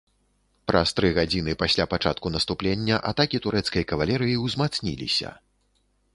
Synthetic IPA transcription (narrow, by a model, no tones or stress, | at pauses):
pɾɐst̪ɾɨɣad͡zʲinɨpasʲlʲapat͡ʂat̪̚kunɐst̪uplʲenʲːɐʔa̰t̪akʲit̪uɾʔɛt̪skɐjkɐvalʲɛɾɨjiwzmat̪snʲilʲḭsʲɐ̰